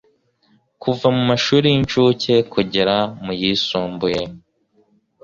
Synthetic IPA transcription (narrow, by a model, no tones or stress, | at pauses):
kuvamumaʃuːɾijint͡ʃuːce̞kuɟeɾamujisuːmbuje